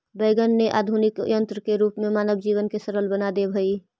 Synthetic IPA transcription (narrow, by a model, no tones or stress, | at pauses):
beːɡənːeʔa̰ːd̪ʱunɪkjə̃nt̪ɾəkeɾuːpmẽmaːnəbd͡ʒiːʋənkesəɾəlbənad̪ebʱəiː